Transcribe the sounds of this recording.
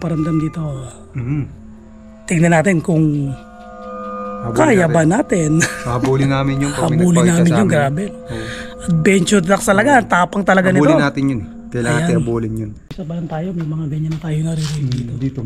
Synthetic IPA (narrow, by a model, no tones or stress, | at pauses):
pɐɾɐmd̪ɐmd̪iːt̪o̞ | t̪ɪɡnɐnaːt̪ɪnkʊŋ | bkaːjabɐnaːt̪ɪnɐbuːlɪnaːmɪnjʊŋɐbuːlɪnnaːmɪnjʊŋɡɾaːbɛnʔɐt̪̚bɛnt͡ʃʊlɐk̚sɐlɐɡat̪aːpɐŋt̪ɐlɐɡanɪt̪onaːt̪ɪnjʊn | kɐjlɐŋɐj̪ajat̪ɪnɐbuːlɪnjʊnɐsɐpɐlɐnt̪aːjo̞mɐjmɐŋabɛnt͡ʃʊnɐt̪aːjonɐɾiɾid̪iːod̪it̪